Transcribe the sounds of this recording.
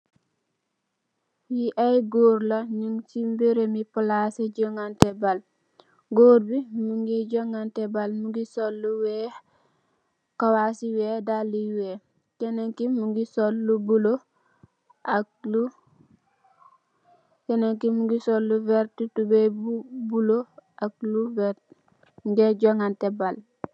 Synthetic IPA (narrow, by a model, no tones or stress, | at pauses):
jiʔajɡoːɾlaɲuŋtimbiɾemipulasɛɟɔŋɡantɛbal | ɡoːɾbimuŋɡiɟɔŋɡantɛbalmuɡisolːuwɛ | kawasiwɛdalːiwɛ | kɛneŋkimuŋɡisolːubulo | ʔak̚lu | kɛneŋkimuɡisolːuvɛɾtutubebbuloʔakluvɛ | ɡeɟoŋɡantɛbal